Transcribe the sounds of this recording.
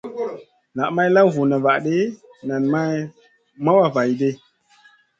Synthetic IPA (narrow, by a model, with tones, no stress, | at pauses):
na˨ʔma˦jla˦vu˨nə˨va˨ʔɗe˦ | na˨nma˦j | ma˦wa˨va˨jde˦